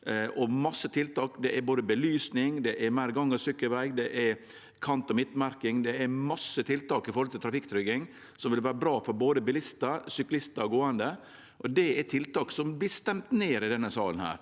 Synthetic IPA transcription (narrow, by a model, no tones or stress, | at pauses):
ʔɔmɑsːət̪ʰɪlt̪ɑːkd̪ɛʔɛɾboːd̪əbəlyːsnɪŋd̪ɛʔɛɾmæɪɾɡɑŋːɑsʏkːəʋæɪɡd̪ɛʔɛ | kʰɑnt̪ɔmɪt̪mæɾkɪŋd̪ɛæmɑsːət̪ʰɪlt̪ɑːkɪfɔɾhɔlt̪ɪlt̪ʰɾɑfɪkt̪ʰɾʏɡɪŋ | sɔmʋɪlʋæːɾəbɾɑːfɔɾboːd̪əbɪlɪst̪əɾsʏklɪst̪əɡoːɑnd̪ə | ʔɔd̪ɛɛt̪ʰɪlt̪ɑːksɔmb̪ɪst̪ɛmt̪neːɾɪd̪ɛnːəsɑ̰ːlən̩hæ̰ːɾ